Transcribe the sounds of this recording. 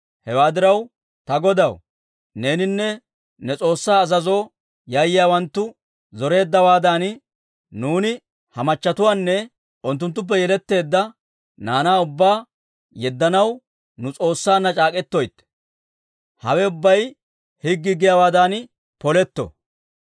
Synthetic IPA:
hɛwaːd̪ɪɾɐw | t̪ɐɡɔd̪ɐw | ne̞ːnɪnːɛ | nɛt͡sʼo̞ːsːaːzɐzo̞ː | jajɪjaːwɐnt̪ːʊ | zɔɾe̞ːd̪ːɐwaːd̪an | nuːnɪ | hɐmɐt͡ʃːɐt̪ʊwaːnːɛ | ʊnt̪̬ːʊnt̪̬ːʊp̬ːɛjɛlɛt̪ːe̞ːd̪ːɐ | naːnaːʊbːaː | jɛd̪ːɐnɐw | nʊt͡sʼo̞ːsːaːnːɐt͡ʃʼaːkʼɛt̪ːojt̪ː | hɐwɛʊbːɐj | hɪɡːɪɡɪjaːwaːd̪an | pɔlɛt̪ːɔ̰

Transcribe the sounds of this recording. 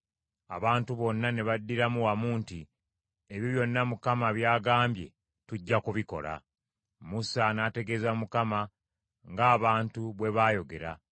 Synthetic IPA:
a̰βaːntuβo̞nːane̞βadːiɾamuwamuːnti | eβiβjo̞nːamukamaβjaːɡaːmbje̞̰ | tuɟːakuβiko̞̰la̰ | musanate̞ɡe̞zamukama | ŋɡaːβaːntuβwe̞βaːjo̞ɡe̞ɾa̰

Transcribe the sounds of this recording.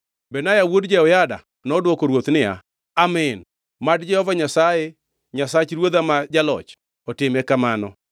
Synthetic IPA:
bɛnajawodd͡ʒɛɔjada̰ | nɔdwokoɾwot̪nɪa̰ | amɛn | madd͡ʒɛhɔvaɲasaje | ɲasat͡ʃɾwod̪amad͡ʒalɔ̰t͡ʃ | ɔtɪmɛkamanɔ̰

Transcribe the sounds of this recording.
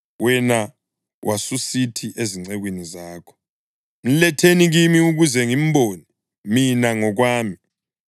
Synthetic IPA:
wɛna | wʔasusitʰiʔeziŋ͡ǀɛɣwinizaːkʰɔ̥ | n̩lɛtʰeniɣimiuɣuzɛŋim̩boːni | minaŋɔɣ̬waːmi

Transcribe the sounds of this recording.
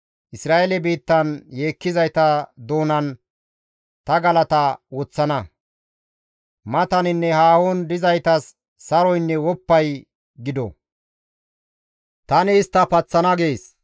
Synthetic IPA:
ʔɪsɾaːʔelɛbiːt̪ːɐnje̞ːkːɪzɐjt̪ɐd̪o̞ːnɐn | t̪ɐɡɐlɐt̪ɐwɔt͡sːɐnɐ | mɐt̪ɐnɪnːɛhaːwond̪ɪzɐjt̪ɐsː | ɐɾɔjnːɛwɔpːɐj | ɡɪd̪ɔ̰ | t̪ɐnɪːst̪ːɐpɐt͡sːɐnɐɡe̞ːs

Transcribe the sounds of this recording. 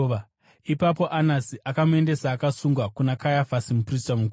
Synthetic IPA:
ipapo̞ʔanasiʔakamue̞nde̞saːkasuŋɡwakunakajafasimupristamuku

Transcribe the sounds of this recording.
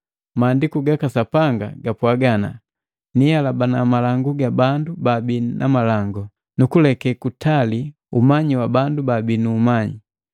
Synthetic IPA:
maːndikuɡakasapaŋɡa̰ɡapwaɡana̰ | nijalabanamalaŋɡuɡabandubabinʔamalaŋɡɔ | nukulɛkɛkutʰali | umaɲiwabandubabinuːmaɲi

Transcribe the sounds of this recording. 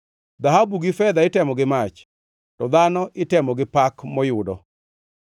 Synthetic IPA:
d̪aɦabuɡɪfɛd̪aɪtɛmɔɡɪmat͡ʃ | tɔd̪anɔʔɪtɛmɔɡɪpakmɔjʊdɔ̰

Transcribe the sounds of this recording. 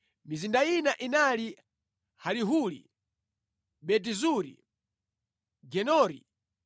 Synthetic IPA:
mizindainaʔinali | haliɦulḭ | ɓɛt̬izuɾḭ | ɡɛnɔːɾḭ

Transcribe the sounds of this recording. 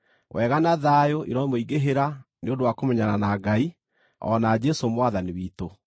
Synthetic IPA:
wʔɛɣanaðajoʔḭɾɔmoiɡeɦeɾa | neondowakomɛɲananaɡai | ɔ̰nad͡ʒɛsomwaðaniwiːto

